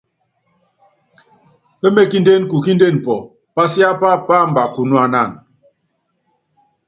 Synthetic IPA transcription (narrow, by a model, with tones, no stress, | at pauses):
pe˦me˦ki˦nde˦nku˨ki˦nde˦˨n˨pɔ˨ | pa˦sja˦pa˦˨pa˦˨m̩˨ba˨ku˨nu˨˦a˨na˦˨n